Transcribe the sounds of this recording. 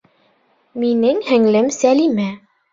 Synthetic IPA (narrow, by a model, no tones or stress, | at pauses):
minɘŋhɘ̆ŋlɘmsælimæ